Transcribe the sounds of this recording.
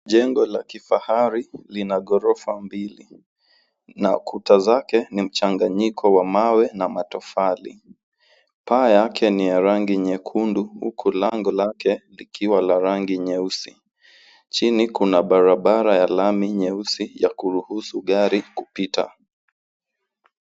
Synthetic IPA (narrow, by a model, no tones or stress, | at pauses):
ʄɛŋɡɔlakifahaɾilinaɠɔɾɔfambilḭ | na̰kʰutazakɛnim̩t͡ʃaŋɡaɲikʰɔwamawɛnamatɔfalḭ | paːjakʰɛnijaɾaŋɡiɲɛkʰunduhṵkʰulaŋɡɔlakɛlikʰiwalaɾaŋɡiɲɛusi | t͡ʃinikunaɓaɾaɓaɾajalamiɲɛusijakuɾuhusuɠaɾikupita̰